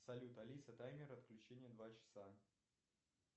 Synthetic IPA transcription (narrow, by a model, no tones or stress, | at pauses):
sɐlʲut̪ɐlʲisət̪ajmʲɪɾəɐt̪klʲʉt͡ɕenʲɪjəd̪vat͡ɕɪ̥sa